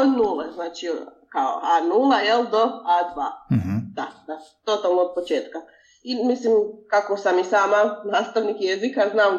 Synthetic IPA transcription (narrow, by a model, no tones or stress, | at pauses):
od̪nuːleznaːt͡ʃikao̰anuːlajeld̪oad̪ʋaːd̪̥ad̪at̪ot̪alˠnood̪̚pot͡ʃeːt̪ka | imislimkako̞samisaːmanaːst̪aʋnikjezikaznaːm